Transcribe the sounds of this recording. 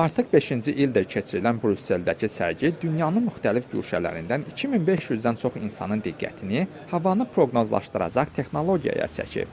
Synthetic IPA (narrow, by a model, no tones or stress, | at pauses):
ɑɾt̪ʰɯχbe̞ʃind͡ʒiʔild̪iɾcʰe̞t͡ʃʰiɾilænbɾuse̞ld̪æcʰisæ̰ɾɟid̪ynjɑnɯnmyxt̪ælifɟy̰ːʃælæ̰ɾḭnd̪ænicʰiminbe̞ʃjyzd̪ænt͡ʃʰo̞χinsɑ̰nɯnd̪iɡːæ̰t̪ʰini | hɑvɑnɯpʰɾo̞ɡno̞zlˠɑ̰ʃt̪ɯɾɑ̰d͡ʒɑχt̪ʰe̞xno̞lˠo̞ɟijɑ̰jɑ̰t͡ʃʰæ̰cʰḭp